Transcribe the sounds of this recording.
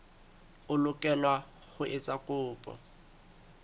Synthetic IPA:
ʊlʊkʼɛlwa | hʊʔɪt͡sʼakʼʊːpʼɔ̰

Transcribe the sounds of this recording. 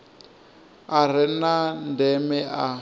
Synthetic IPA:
aɾ̤ɪnandɛmɛa

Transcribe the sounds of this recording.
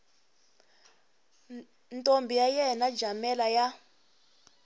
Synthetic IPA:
ntʼombʱijajɛnḁd͡ʒʱamɛlaja

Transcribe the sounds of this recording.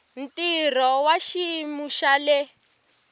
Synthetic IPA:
n̩tirɔwaʃimuʃalɛ

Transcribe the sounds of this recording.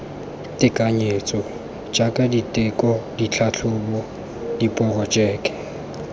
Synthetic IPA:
tʼɪkʼaɲet͡sʼɔ | d͡ʒakʼaditʼɛkʼɔdit͡ɬʰat͡ɬʰʊbɔ | dipʼɔrɔt͡ʃʼɛːkʼɛ̥

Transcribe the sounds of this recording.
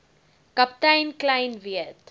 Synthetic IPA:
kɐp̚t̪ajnklajnʋiət̪

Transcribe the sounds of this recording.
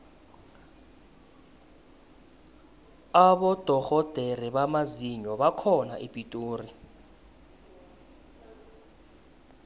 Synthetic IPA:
aɓɔd̥ʱɔɣɔd̥ʱeriɓamaziɲɔɓakʰɔnaʔipʼitʼoːri

